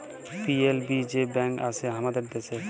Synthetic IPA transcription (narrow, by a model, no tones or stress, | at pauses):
pielbid͡ʑebɛŋka̰t͡ɕʰeɦamad̪eɾd̪et͡ɕʰe